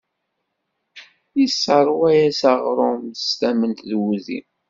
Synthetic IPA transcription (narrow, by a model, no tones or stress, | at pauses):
isːɑɾˤwæjæsɑʁɾˤomst̪æmənt̪ðwuðḭm